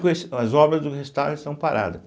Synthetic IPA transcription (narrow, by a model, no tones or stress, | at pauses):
kesɐzɔbɾɐzd̪ʊhezut̪ad̪st̪ɐ̃w̃paɾʔa̰d̪ɐ